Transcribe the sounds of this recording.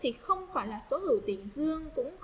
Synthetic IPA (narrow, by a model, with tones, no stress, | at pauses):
t̪ʰi˨˩xə˧wŋ͡mfaː˧˩jlaː˨˩so˨˦hə˧˩wt̪i˧˩ŋzɨ˧əŋkʊ̰˧˥ŋ͡m